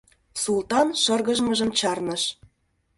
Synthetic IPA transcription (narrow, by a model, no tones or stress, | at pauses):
sult̪ɑnʃɤ̆rɣəʒmə̆ʒə̆mt͡ɕɑrnɤ̆ʃ